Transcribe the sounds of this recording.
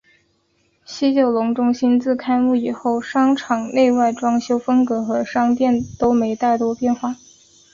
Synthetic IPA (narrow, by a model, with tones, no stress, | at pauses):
ɕi˥t͡ɕjo˨˩ʊlʊ˧˥ŋʈ͡ʂʊ˥ŋɕi˥nt͡sɹ̩˥˩kʰa˥ɪmu˥˩i˨˩xo˥˩ʊʂɑ˥ŋʈ͡ʂʰɑ˨˩ŋne˥˧ɪwa˥˩ɪʈ͡ʂwɑ˥ŋɕjo˥ʊfə˥ŋkɤ˧˥xɤ˧˥ʂɑ˥ŋt̪jɛ˥˩nt̪o˥ʊme˧˥ɪt̪a˥˩ɪt̪wɔ˥pjɛ˥˧nxwa˥˩